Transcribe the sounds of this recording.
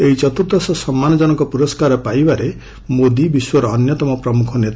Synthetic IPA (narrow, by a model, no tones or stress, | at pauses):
eɦit͡ʃɔt̪ut̪ɔsɔsɔmːanɔd͡ʒɔnɔŋkɔpuɾɔskaɾɔpajbaɾe | mod̪ibiswɔɾɔːnjɔt̪ɔmɔpɾɔmukʰɔnet̪a